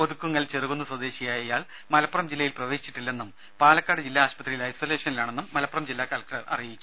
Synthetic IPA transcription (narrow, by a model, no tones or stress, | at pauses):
oðukːuŋːɐɭt͡ɕeruɣunːɐswɐd̪e̞ːɕijaːjɐjaːɭ | mɐlɐpːurɐmd͡ʑilːɐjilprɐʋe̞ːɕi̥t͡ɕːi̥ʈːilːe̞nːum | paːlɐkːaːɽɨd͡ʑilːaaːɕpɐt̪rijilɐjsole̞ːʂɐnilaːɳe̞nːumːɐlɐpːurɐmd͡ʑilːaːkaːlɐk̚ʈɐrʔɐ̰rijit͡ɕʲːu